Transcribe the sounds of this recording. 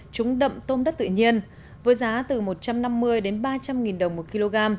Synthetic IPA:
t͡ɕʊ˨˦ŋ͡mɗə̰˧˨ŋ͡mt̪o˧mɗə˦˥t̪ɨ̰˧˨ɲi˧ən | vəː˨˦jzaː˨˦t̪ɨ˨˩mo˨˩t̚t͡ɕa˧mna˧mːɨ˧əjɗe˨˦nɓaː˧t͡ɕa˧mŋi˨˩nɗə˨˩wŋ͡mmo˨˩t̚ki˧lo˧ɣaː˧m

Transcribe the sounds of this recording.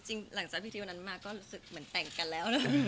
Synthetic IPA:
t͡ɕi˧ŋla˩˦ŋt͡ɕaː˨˩iː˦˥iː˧˨˧na˦˥nmaː˧˩kːɔː˥˩ɾuː˦˥sɯ˨˩k̚mɯ˩˦ənt̪ɛ˨˩ŋka˧nlɛː˦˥wnɔ˦˥

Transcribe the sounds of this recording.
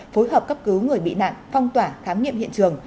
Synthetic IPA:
fo˨˦jɦəː˨˩p̚kə˦˥p̚kɨ˨˦wŋɨ˨˩əjɓḭ˧˨na̰ː˧˨mfɔ˧wŋ͡mt̪waː˧˩xaː˨˦mŋḭ˧˨əmhḭ˧˨ənt͡ɕɨ˨˩əŋ

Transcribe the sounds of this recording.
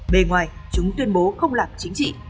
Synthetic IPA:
ɓe˧˩nŋwaː˨˩jt͡ɕʊ˨˦ŋ͡mt̪wi˧ənɓo˨˦xə˧wŋ͡mlaː˨˩mt͡ɕï˨˦ŋ̟t͡ɕḭ˧˨

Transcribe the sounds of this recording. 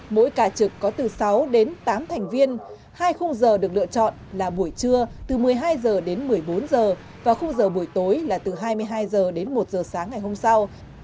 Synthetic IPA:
mo̰˧˥jkaː˧˩t͡ɕɨ˨˩kːɔ˨˦t̪ɨ˨˩sa˨˦wɗe˨˦nt̪aː˨˦mt̪ʰɛ˨˩jŋ̟vi˧ən | haː˧jxʊ˧wŋ͡mzəː˨˩ɗɨ˨˩ək̚lɨ̰˧˨ət͡ɕɔ̰˧˨nlaː˨˩ɓu˧˩əjt͡ɕɨ˧ət̪ɨ˨˩mɨ˨˩əjɦaː˧jzəː˨˩ɗe˨˦nmɨ˨˩əjɓo˨˦nzəː˨˩ | vaː˨˩xə˧wŋ͡mzəː˨˩ɓu˧˩əjt̪o˨˦jlaː˨˩t̪ɨ˨˩ɦaː˧jmɨ˧əjɦaː˧jzəː˨˩ɗe˨˦nmo˨˩t̚zəː˨˩saː˨˦ŋːa˨˩jɦo˧msa˧w

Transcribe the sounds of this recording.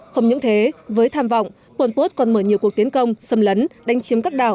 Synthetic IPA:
xə˧wŋ͡mɲɨ̰˧˥ŋt̪ʰe˨˦vəː˨˦jt̪ʰaː˧mvɔ̰˧˨wŋ͡mʔ | pə˧˩npo˦˥t̚kɔ˨˩nməː˧˩ɲi˨˩əku˨˩ək̚t̪i˨˦ənkə˧wŋ͡msə˧mlə˨˦nɗa˨˧jŋ̟t͡ɕi˨˦mkaː˦˥k̚ɗa̰ː˧˩w

